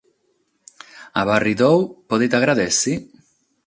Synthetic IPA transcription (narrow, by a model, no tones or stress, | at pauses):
a̰βarːid̪owpɔðet̪aɣɾaðesi